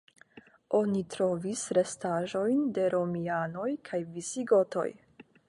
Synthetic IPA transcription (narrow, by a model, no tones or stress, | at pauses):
ʔo̞nitɾo̞visɾe̞staʒo̞jnde̞ɾo̞miano̞jkʰajvisiɡo̞to̞̰j